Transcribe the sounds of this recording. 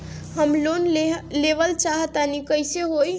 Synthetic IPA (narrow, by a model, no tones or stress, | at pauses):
ɦəmloneleʋəlt͡ʃaɦət̪anikəjseɦoj